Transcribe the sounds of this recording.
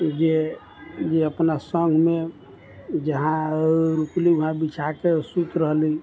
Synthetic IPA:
d͡ʒe | d͡ʒeəpnasə̃ŋɡʱme | d͡ʒəɦãɾukliuɦãbit͡ʃʰakesut̪ɾəɦli

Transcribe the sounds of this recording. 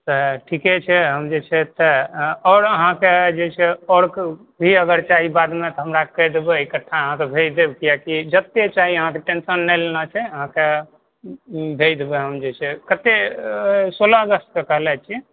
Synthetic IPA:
t̪ɔʈʰikɛt͡ʃʰɛɦəmd͡ʒet͡ʃʰɛt̪ɔɔːɾəɦãked͡ʒet͡ʃʰɛɔɽk | bʱiəɡəɾt͡ʃaɦibad̪met̪ɔɦəmɾakɛjd̪ebeikəʈʰːaəɦãt̪ɔbʱed͡ʒd̪ebkijakid͡ʒət̪ːet͡ʃaɦiəɦãkeʈensənːɛlenat͡ʃʰɛəɦãke | bʱed͡ʒd̪ebeɦəmd͡ʒet͡ʃʰɛkət̪e | solaəɡəst̪̚kekəɦlɛt͡ʃʰiɛ

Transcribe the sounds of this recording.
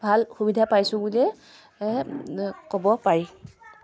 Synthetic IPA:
bʱalxubidʱapajsʊbulɛ | kɔbɔpaɹi

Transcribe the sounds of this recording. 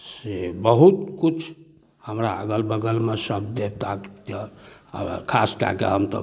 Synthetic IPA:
sebəɦut̪kut͡ʃʰ | həmɾaəɡəlbəɡəlmesəb̚d̪et̪akt̪jə̰ | kʰaska̰kḛɦəmt̪ə̰

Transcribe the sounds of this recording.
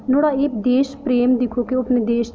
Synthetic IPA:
noːɽaːeːkd̪eːʃpɾeːmd̪ɪkʰoːkeopned̪eːʃ

